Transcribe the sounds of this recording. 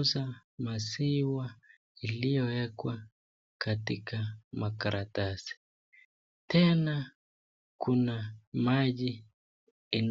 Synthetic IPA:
zamasiwa | ilijɔwɛkwa | katikamakaɾatasi̥ | tɛna | kunamaʄiː | n

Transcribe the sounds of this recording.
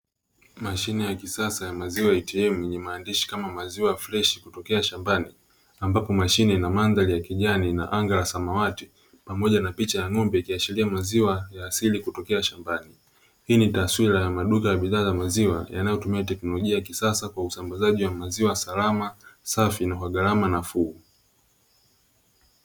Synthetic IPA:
maʃinɛjakisasajamaziwajitiɛmujɛɲɛmaːndiʃi̥kamamaziwajaflɛʃi̥kutɔkɛaʃambani | ambapɔmaʃinɛnamandalijakiʄanina̰ʔaŋɡaɾasamawati | pamɔʄanapit͡ʃajaŋɔmbɛikiat͡ʃiliamaziwajaːsilikutɔkɛaʃambani | hiːnitaswiɾajamaɗukajaɓiðaːzamaziwa̰ja̰najɔtumiatɛknɔlɔʄiajakisasakwausambazaʄiwamaziwasalamasafinaɦwaɠaɾamanafuu

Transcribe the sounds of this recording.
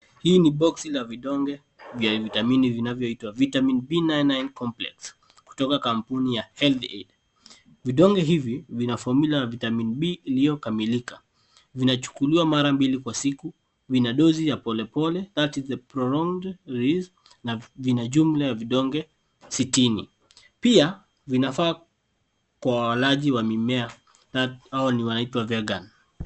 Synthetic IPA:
hiːniɓɔksilaviɗɔŋɡɛ | vjavitaminivinavjɔitwavitaminbinajnajnkɔmplɛ̰ks | ku̥tɔkakampunijahɛlθḛd | viɗɔŋɡɛɦivivinafɔmilaavitaminiɓiːlijɔkamilika | vinat͡ʃu̥kuliwamaɾambilikwasiku | vinaɗɔzijapɔlɛpɔlɛðatizəpɾɔlɔŋɡdɾiz | navinaʄum̩lajaviɗɔŋɡɛ | sitini | pia | vinafaː | kwawawalaʄiwamimɛa | ðaaɔniwanaitwavɛɡan

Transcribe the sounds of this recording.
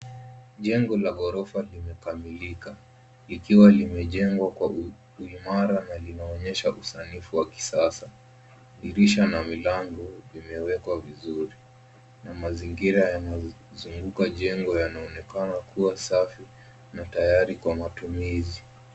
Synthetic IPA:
ʄɛŋɡɔlaɡɔɾɔfalimɛkamilika | likiwalimɛʄɛŋɡwakwa | uimaɾanalinaɔɲɛʃaʔusanifuwaki̥sasa | iɾiʃanamilaŋɡɔvimɛwɛkwavizuɾi | namaziŋɡiɾajana | zuŋɡukaʄɛŋɡɔjanaɔnɛkanakʰuwasafi | natajaɾikwamatumizi

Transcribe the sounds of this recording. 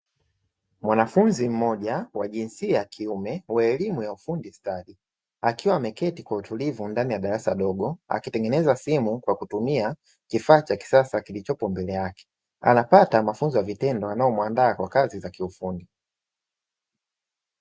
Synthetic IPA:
mwanafunzim̩mɔʄawaʄinsiajakʰiumɛwaɛlimujaufundistaɗi | akiwamɛkɛtikwautulivundanijaɗaɾasa̰ɗɔɡɔa̰kitɛŋɡɛnɛzasimukwakutumia | kifaːt͡ʃaki̥sasakilit͡ʃɔpɔmbɛlɛjakɛ̥ | a̰napatamafunzijavitɛndɔanaɔmwandaːkwakazizakiufundi

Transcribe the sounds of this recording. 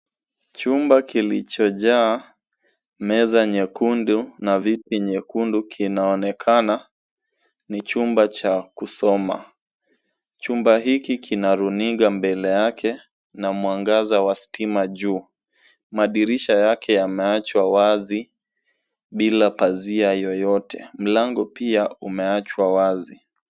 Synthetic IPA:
t͡ʃumbakilit͡ʃɔʄaː | mɛzaɲɛkundunavitiɲɛkundukʰinaɔnɛkʰana | nit͡ʃumbat͡ʃakusɔma̰ | t͡ʃumbaɦikikʰinaɾuniɠambɛlɛjakʰɛ | namuaŋɡazawasi̥timaʄuː | maɗiɾiʃajakʰɛjamɛat͡ʃwawazi | ɓilapaziajɔjɔtʰɛ̰m̩laŋɡɔpiaumɛat͡ʃwawazi

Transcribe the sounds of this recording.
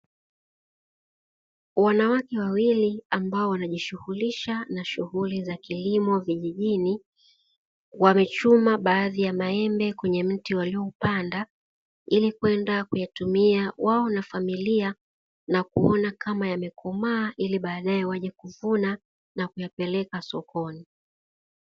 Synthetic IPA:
wanawakɛwawiliambaɔwanaʄiʃuhuliʃanaʃuhulizakilimɔviʄiʄini | wamɛt͡ʃumaɓaːðijamaɛmbɛkwɛɲɛm̩tiwaliɔupanda | ilikuwɛndakujatumiawʔaɔnafamilia | nakuɔnakamajamɛkʰɔmaːʔiliɓaːɗaɛwaʄakuvuna | nakujapɛlɛkasɔkɔni

